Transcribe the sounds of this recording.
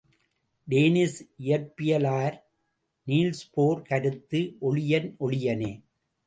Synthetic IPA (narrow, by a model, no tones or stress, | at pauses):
ɖeːnɪsʔɪjɐɾpːɪjɐlaːɾ | niːlspoːɾkɐɾɯt̪ːɯʔɔɭɪjɐnʔɔɭɪjɐneː